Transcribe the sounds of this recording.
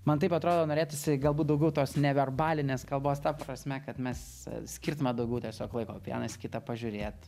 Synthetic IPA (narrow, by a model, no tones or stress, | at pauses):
mɐnt̪ɐɪpɐt̪ɾoːd̪oːnoːɾʲeːt̪ʲɪsʲɪɡɐlˠbuːt̪̚d̪ɐʊɡʲɛʊt̪oːsnʲɛʋʲɛrbɑːlʲɪnʲeːskɐlˠboːst̪ɐprɐsʲmʲɛkɐt̪mʲɛs | sʲkʲɪrt̪ʊmʲɐd̪ɐʊɡʲɛʊt̪ʲɛsʲoːklˠɐɪkoːpʲjḭnɐsʲkʲɪt̪ɐpɐʒʲʊɾʲeːt̪